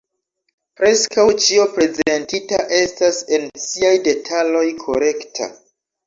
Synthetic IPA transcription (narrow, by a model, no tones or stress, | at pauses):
pɾe̞skawt͡ʃio̞pɾe̞zentitaʔe̞stase̞nsiajde̞tʰalo̞jkʰo̞̰ɾe̞ktʰa̰